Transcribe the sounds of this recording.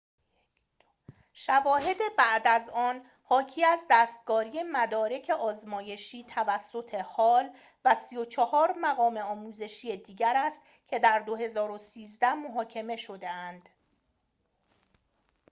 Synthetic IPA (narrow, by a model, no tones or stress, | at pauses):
ʃævɒːɦe̞d̪e̞bæʔd̪æzɒːn | hɒːcʰiːæzd̪æːst̪̚ɡɒːɾiːe̞mæd̪ɒːɾe̞cʰe̞ʔɒːzmɒːje̞ʃiːt̪ʰævæsːo̞t̪ʰe̞hɒːl | væsijo̞t͡ʃʰɒhɒːɾmæɣɒːme̞ɒːmuːze̞ʃijed̪iːɟæɾæst̪ | cʰe̞d̪æɾd̪o̞ɦe̞zɒːɾo̞siːzd̪æhmo̞ɦɒːcʰe̞me̞ʃo̞d̪eænd̪̥